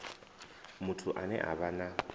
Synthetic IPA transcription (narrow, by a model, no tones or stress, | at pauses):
mutʰuʔanɛ̰ʔa̰βana